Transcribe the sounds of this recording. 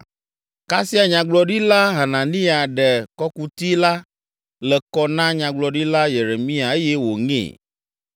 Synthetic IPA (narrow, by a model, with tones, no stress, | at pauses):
ka˦si˦a˨ɲã˨ɡ͡blɔ˨ɖi˦la˦ɦa˨nã˨nĩ˦a˨ɖɛ˨kɔ˦ku˦t̪i˦la˦ | lɛ˨kɔ˦nã˦ɲã˨ɡ͡blɔ˨ɖi˦la˦je˨ɾe˨mĩ˦a˨e˦jɛ˦wo˨ŋḛ̃˦˨